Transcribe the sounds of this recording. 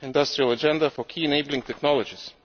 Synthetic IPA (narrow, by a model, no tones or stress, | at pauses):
ɪ̃ndʌstɹiəlˠəd͡ʒɛ̃ndəfə˞kʰiːɨneɪbl̩ˠɪ̃ŋtʰɛknɑlˠəd͡ʒɪz̥